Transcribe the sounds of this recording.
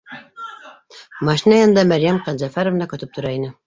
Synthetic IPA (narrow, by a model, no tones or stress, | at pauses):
mɑʃinɑjɑnd̪ɑmæɾjæmqɑd̪zæfæɾovnɑkɒt̪ɤp̚t̪ʰŏɾɑinɘ